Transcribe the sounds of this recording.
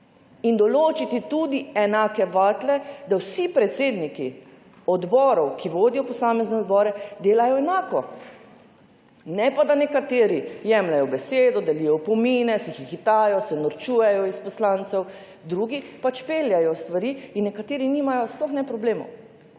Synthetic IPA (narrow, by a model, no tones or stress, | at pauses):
ind̪ɔloːt͡ʃit̪it̪ud̪iɛnaːkɛʋaːt̪lɛd̪awsipɾɛt̪seːd̪niki | ɔd̪bɔːɾɔwkʰiʋoːd̪ijɔpɔsaːmɛznɛɔd̪̚bɔɾɛd̪eːlajɔɛnaːkɔ | nɛpad̪anɛkat̪eːɾijɛmlajɔbɛseːd̪ɔd̪ɛlijɔpɔmiːnɛsɛxixit̪aːjɔsɛnɔɾt͡ʃuːjɛjɔispɔslaːnt̪sɛw | d̪ɾuːɡipat͡ʃpeːljajɔst̪ʋaɾiːinːɛkat̪eːɾiniːmajɔsplɔxnɛpɾɔbleːmo̰